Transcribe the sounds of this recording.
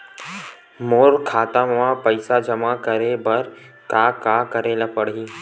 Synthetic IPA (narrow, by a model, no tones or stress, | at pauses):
moːɾkʰaːt̪amʋãpɐɪsad͡ʒɐmakəɾebɐɾ | kaːkaːkɐɾelɐpəɽiː